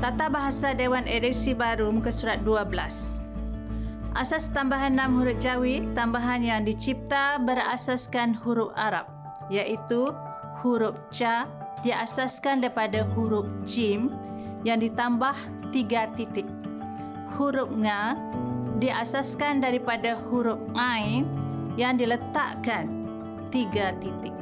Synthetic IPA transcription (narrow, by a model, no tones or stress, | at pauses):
k̪at̪abaɦasadewanedisibaɾumkəsuɾat̪̚duabəla̰s | ʔasast̪ambaɦanːãmhuɾʊp̚d͡ʒawit̪ːambaɦanjaŋdit͡ʃip̚t̪abəɾa̰saskanhuɾʊp̚aɾa̰p̚ | jaʔit̪u | huɾʊp̚t͡ʃa | diasaskandaɾipadahuɾʊp̚d͡ʒimjaŋdit̪ambah | t̪iɡat̪it̪ɪk̚ | huɾʊp̚ŋa | diʔasaskandaɾipadahuɾʊp̚ʔainjaŋdilət̪a̰ʔkan | t̪iɡat̪it̪ɪk̚